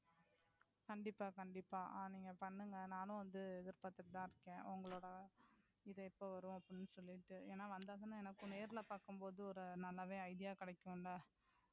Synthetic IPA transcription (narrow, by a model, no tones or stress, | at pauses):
kɐɳɖɪpːaːkɐɳɖɪpːaːʔniːŋɡɐpɐɳːɯŋɡɐnaːnʊ̃ʋɐnd̪ɯɛðɪɾpaːt̪ːɯʈɯt̪ãːɪɾɯkːẽːʔʊŋɡɐɭoːɽɐ | ɪðɐɛpːoːʋɐɾʊ̃ɐpːɪnːɯsɔlːɪʈːɯeːnːaːʋɐnd̪aːðɐnãːɛnɐkːʊ̃neːɾɪlɐpaːɾkɯmpoːðɯɔɾɯnɐlːɐʋẽːɐɪðɪjaːkɪɽɐkːɯ̃nɐ